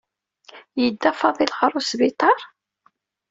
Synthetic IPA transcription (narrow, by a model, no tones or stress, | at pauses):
jəd̪ːæfɑðˤilʁɾˤʊsbit̪ˤɑɾˤ